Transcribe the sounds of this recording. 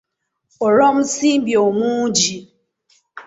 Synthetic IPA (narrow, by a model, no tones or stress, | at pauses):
oɾɔm̩sim̩bjomud͡ʒi